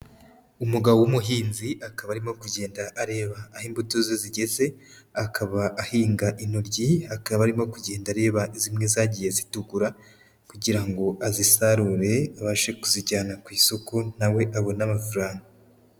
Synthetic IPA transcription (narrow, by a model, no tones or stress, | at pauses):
umuɡaβowumuɦiːnziʔakaβaɾimo̞kuɟe̞ːndaʔaɾe̞ːβaːhiːmbutozeziɟe̞ze̞ | akʰaβaʔːhiːŋɡaʔinoɾɟiakaβaɾimo̞kuɟe̞ːndaɾe̞ːβaizimŋe̞zaɟije̞zituɡuɾa | kuɟiɾaŋɡo̞ʔazisaɾuɾe̞aβaʃe̞kuziɟaːnakwiːsokonawe̞ʔaβo̞namafuɾaːŋɡa